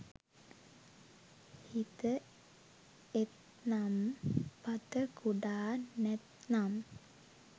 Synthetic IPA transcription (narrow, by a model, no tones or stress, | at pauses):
hit̪ə | et̪ | nampat̪əkuɖaːnɛt̪nam